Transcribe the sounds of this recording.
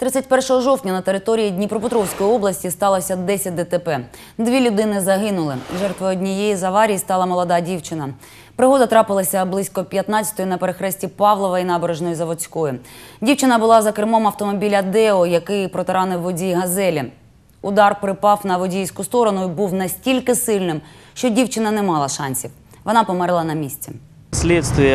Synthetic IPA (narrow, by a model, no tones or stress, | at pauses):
t̪ɾɪt͡sʲɐt̚ʲpɛrʃɔɦɔʒɔwtʲnʲɐnɐt̪eɾɪt̪ɔɾʲijidʲnʲipɾɔpʊt̪ɾɔwsʲkɔjiɔblˠɐsʲtʲist̪ɑlˠɐsʲɐd̪ɛsʲɐt̚ʲd̪ɛt̪epɛ | d̪ʋʲilʲʊd̪ɪnɪzɐɦɪnʊlˠɪ̰ʒɛrt̪ʋɔɔdʲnʲijejizɐʋɑɾʲijist̪ɑlˠɐmɔlˠɔd̪ɑdʲiwt͡ʃɪnɐ | pɾɪɦɔd̪ɐt̪ɾɑpɪlˠɐsʲɐblˠɪsʲkɔpʲjɐt̪nɑt͡sʲɐ̥t̪ɔjunɐpeɾexɾɛsʲtʲipɑʋlˠɔʋɐinɑbeɾeʒnɔjizɐʋɔt͡sʲkɔjdʲiwt͡ʃɪnɐbʊlˠɑzɐkɾɪmɔmɐwt̪ɔmɔbʲilʲɐd̪ɛɔjɐkɪjpɾɔt̪ɪɾɑnɪʋːɔdʲijɦɐzɛlʲi | ʊd̪ɑrpɾɪpɑwnɐʋɔdʲijsʲkʊst̪ɔɾɔnʊibuwnɐsʲtʲilʲkɪsɪlʲnɪm | ʃt͡ʃɔdʲiwt͡ʃɪnɐnɛmɑlˠɐʃɑnʲsʲiw | ʋɔnɑpɔmɛɾlˠɐnɐmʲisʲt͡sʲɛ̰ | sʲlʲɛt̪st̪ʋʲijɛ